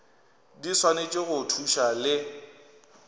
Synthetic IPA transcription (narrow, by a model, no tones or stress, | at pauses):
diswanet͡ʃʼɪɣʊtʰuʃalɪ